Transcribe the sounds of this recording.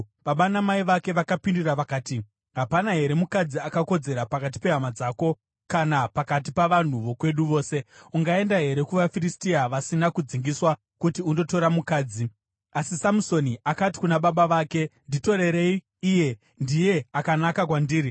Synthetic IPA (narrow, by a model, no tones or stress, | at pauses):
ʋaɓanamaiʋake̞ʋakapinduraʋakaːti | ɦapanaɦe̞ɾe̞mukad͡ziakako̞d͡ze̞ɾapakat̬i̥pe̞ɦamad͡zaːko̞ | kanapakat̬ipaʋan̤uʋo̞kwe̞ɗuʋo̞ːse̞uŋɡae̞ndaɦe̞ɾe̞kuʋafiristiaʋasinakud͡ziŋɡiswa | kutiundo̞to̞ɾamukaːd͡zi | asisamuso̞niʔakati̥kunaɓaɓaʋake̞ndito̞ɾe̞ɾe̞iː | je̞ | ndije̞akanakakwandiːɾi